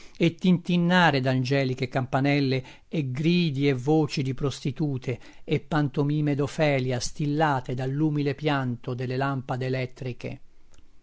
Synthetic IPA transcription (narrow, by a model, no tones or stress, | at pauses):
et̪ːint̪inːaːɾed̪and͡ʒɛːlikekampanɛlːe | eɡɾiːd̪ievoːt͡ʃid̪ipɾost̪it̪uːt̪ʰe | epːant̪omiːmed̪ofɛːljast̪ilːaːt̪ed̪alːuːmilepjant̪od̪elːelampad̪eːlɛt̪ːɾikḛ